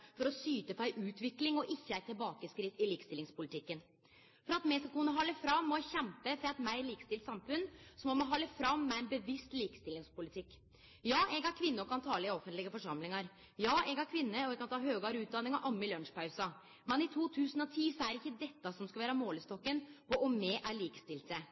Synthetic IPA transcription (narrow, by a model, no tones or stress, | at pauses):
fɔɾɔsyːt̪əpʰɔæɪʔʉːt̪ʋɪklɪŋɔʔɪçːəæɪt̪ʰːɪlbɑːkəskɾɪt̪ːɪliːkst̪ɪlɪŋspʊlɪt̪ʰɪkːən | fɔɾɑt̪mɛɡskɑkʉnːəɦɑlːəfɾɑmːɔçɛmpəfɾɑɛt̪mæɪliːkə̥st̪ɪlt̪sɑmfʉnsɔmɔmɔɦɑlːəfɾɑmːɛæɪnbəʋɪst̪liːkə̥st̪ɪlɪŋspʊlɪt̪ʰɪkː | jɑːʔɛɡæɾkʰʋɪnːəɔkʰɑnt̪ʰɑːləɪɔfːənt̪lɪɡəfɔʂɑmlɪŋɑɾ | jɑːɛɡæɾkʰʋɪnːəɔɛɡ̚kʰɑnt̪ʰɑːɦøːɡɑɾʉːt̪̚d̪ɑnːɪŋɑʔɑmːəlœnʂpʰɑʉsɑ | mɛnɪt̪ʰuːt̪ʰʉːsənɔt̪ʰiːsɔæɾɪçːəd̪ɛt̪ːɑsɔmskɑʋæːɾəmoːləst̪ɔkːənpʰɔʔɔmɛʔæɾɭiːkə̥st̪ɪlt̪sə